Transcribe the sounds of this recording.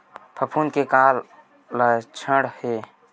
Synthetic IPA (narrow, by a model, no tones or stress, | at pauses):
pʰəpʰuːnkekaːlː | ət͡ʃʰəɽhe